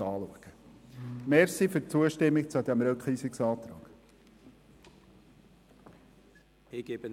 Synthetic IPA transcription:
ɑːluəɡ̥ə | mɛɾsifʏɾt͡suəʃtɪmːɪk̚t͡sud̪æmɾœkχisɪksɑːt̪ɾɑ̰ːɡ̥ | ɪɡ̥ebən

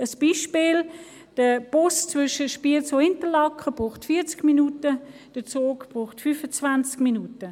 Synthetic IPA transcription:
əsb̥iːʃpiːl | d̥əb̥ʊst͡svʏʃəʃpiːlt͡soɪntəlɑkχəb̥ʁuːχtfiːt͡skminutə | d̥ət͡soːɡb̥ʁuːχtfyfət͡svant͡skminutə

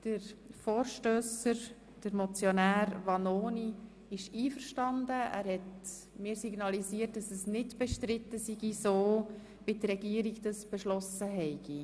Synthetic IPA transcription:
d̥əɾfoːɾʃtøːsəɾ | d̥əɾmɔt͡sjonæːɾvɑnoːni | ɪʃiːfəɾʃtɑndəæ̰ːɾhɛt | mɪːɾsiɡnɑlisiːt̚d̥ɑsəsnɪtb̥ɛʃtɾɪtːəsiɡisoː | b̥ɪdrɛɡiəɾikd̥ɑsb̥ɛʃlɔsəɦɛɪɡ̥i

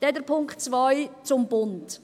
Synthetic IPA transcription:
d̥ɛdəɾpʰʊŋkχtt͡svajt͡sʊmbʊnt

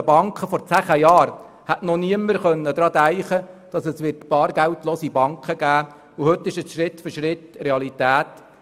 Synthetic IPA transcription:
əbɑŋkχəfɔɾt͡sæχəjɑːɾ | hætnɔniəməɾχœnːəd̪ɾɑːdæɪχəd̥ɑsəsʋɪrtb̥ɑːɾɡæwtloːsibɑŋkχəɡæː | uhɵt̪ːɪʃəsʃɾɪtfʏɾʃɾɪtreɑlitæːt

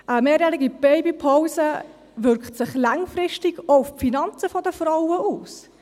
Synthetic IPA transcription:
ʔəmeːɾjæɾiɡib̥ɛɪbipʰaʊsə | ʋʏɾkχtsɪχlɑŋfrɪʃtɪɡoʊffinɑnt͡səfɔdəfɾawəʔuːs

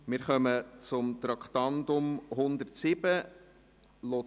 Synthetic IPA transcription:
mɪːɾχœmət͡sʊmt̪ɾɑkχt̪ɑndʊmhʊnd̪əɾtsɪbə | lo

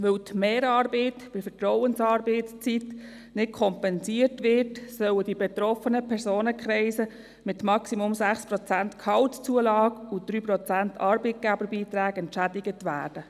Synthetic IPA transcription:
ʋɵwtmeːɾɑːɾbɛɪtb̥ɪfətɾɔwənsɑːɾbɛɪtst͡sit | nɪt̚kʰɔmpɛnsiərtʋɪɾtsœwədibɛt̪ɾɔfənəpʰɛɾsoːnəkχɾɛɪsə | mɪtmɑksimʊmsæχspɾɔt͡sæntkʰhɑltt͡suəlɑːɡʊd̥̪ɾyːpɾɔt͡sæntʰɑːɾbit̚ɡ̥æbəɾbiːt̪ɾæːɡɛntʃædiɡətʋæːd̥ə

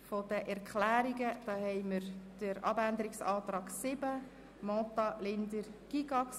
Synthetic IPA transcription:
fɔd̥əʔɛɾkʰlæːɾiɡəd̥ɑːhɛɪməɾd̥əɾɑ̰bænd̪əɾɪksɑːt̪ɾɑːɡsɪbə | mɔtɑlɪnd̪əɾɡ̥iɡɑks

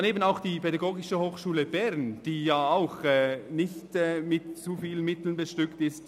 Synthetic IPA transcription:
aneːbən̩aʊxd̥iːpɛdaɡoːɡɪʃəhoːxʃuːləbɛʁnd̥iːjaːaʊxɛːnɪçtɛːmɪtt͡sufiːlənmɪtl̩nbəʃtʏktɪst

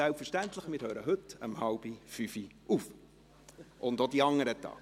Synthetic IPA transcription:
ælpfəɾʃtæntləχmɪtœʏɾəɦɵtə̰mhɑlb̥ifyfiʔuːf | ʔʊndodiɑŋːəɾətɑ̰ː

